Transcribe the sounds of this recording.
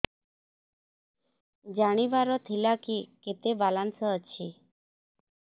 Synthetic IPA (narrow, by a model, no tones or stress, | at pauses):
d͡ʒaɽ̃iʋaɾɔt̪ʰilakiket̪ebalansəət͡ʃʰi